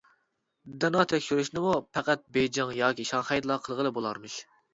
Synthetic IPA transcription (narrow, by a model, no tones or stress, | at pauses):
d̪ɛnɑt̪ʰɛkʲʃyɾyʃnɪmupʰɛqæt̪̚bejd͡ʒɪŋjɑːkʲiʃɑŋχɛjd̪lˠɑqʰəlˠʁəlˠɨbolˠɑɾmɨʃ